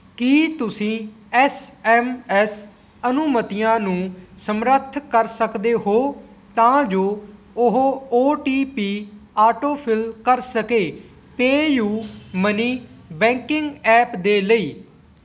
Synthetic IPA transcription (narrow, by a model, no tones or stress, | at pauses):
kiːt̪ʊsĩː | ɛːsɛːmɛs | ənʊmət̪ɪjãːnũːsəmɾət̪ʰkəɾsəkd̪eːɦoː | t̪ãːd͡ʒoː | ʊɦoːʈiːpiːaːʈoːpʰɪlkəɾsəkeː | peːjuːməniːbɛ̃ːŋkɪŋɡɛːpd̪eːləiː